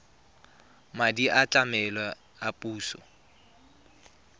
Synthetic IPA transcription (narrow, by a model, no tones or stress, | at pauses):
madiʔat͡ɬʼamɛlɔ | apʼuːsɔ̰